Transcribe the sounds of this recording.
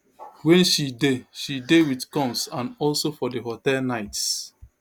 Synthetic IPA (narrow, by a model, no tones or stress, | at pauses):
wɛ̃nʃideʃidewiθkɔ̃msãnɔlsofɔdeɦotɛlnaɪts